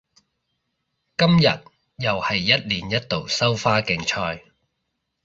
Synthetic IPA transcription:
kɐ˥mjɐ̰˨t̚ | jɐ˨whɐ˨jːɐ˥t̚liː˨njɐ˥t̚t̪o˨wsɐ˥wfaː˥kɪ˨˧ŋt͡ʃʰɔː˧j

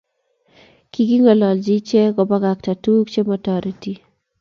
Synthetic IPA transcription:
ki˨ki˦ŋɔ˨lɔ˨ld͡ʒi˦t͡ʃe˦ɡɔ˨ba˦ɡa˨kta˨tu˦kt͡ʃe˦mɔ˨tɔɾi˨ti˦

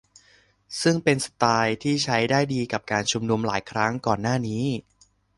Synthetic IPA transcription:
sɯ˥˩ŋpe˧nsḁ˧t̪aː˧jt̪ʰiː˥˩t͡ɕʰa˦˥jdaː˥˩jdiː˧ka˨˩p̚kaː˧nt͡ɕʰu˧mnu˧mlaː˩˦jkʰɾa˦˥ŋkɔː˨˩nːaː˥˩niː˦˥

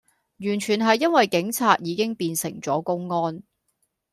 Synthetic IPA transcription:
jyː˨˩nt͡ʃʰyː˨˩nɦɐ˨jːɐ˥nwɐ˨jkɪ˨˥ŋt͡sʰaː˧t̚jiː˨˧kɪ˥ŋpiː˧nsɪ˨˩ŋt͡sɔː˨˥kʊ˥ŋːɔː˥n

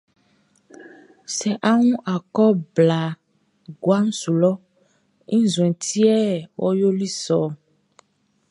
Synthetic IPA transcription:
sɛ˨ʔa˦ŋũ˦ʔa˨kɔ˦bla˨ | ɡwa˦n̩˦su˨lɔ˦ | ĩ˦zw̃ɛ̃˨t̪i˦ɛ˦wʔo̰˦jo˦li˦sɔ˨

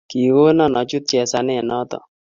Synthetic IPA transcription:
ki˨wo˦nɔ˨nɔ˨t͡ʃu˦t̪̚t͡ʃɛ˨sa˦nɛ˦˨nɔ˦t̪ɔ̰˨

